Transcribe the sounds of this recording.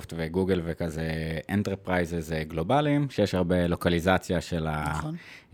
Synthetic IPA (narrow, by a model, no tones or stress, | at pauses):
ftveɡuɡelvekazeʔent̪eʁpʁajzezɡlobalimʃejeʃaʁbelo̞kalizat͡sjaʃela